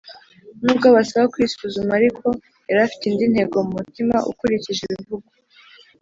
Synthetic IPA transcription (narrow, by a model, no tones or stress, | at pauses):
nub̚ɡaβasaβakwisuzumaɾikʰo̞ | eɾafi̥tiːndin̥he̞ɡo̞mumutima̰ʔṵkuɾiciʒeβiivuɡu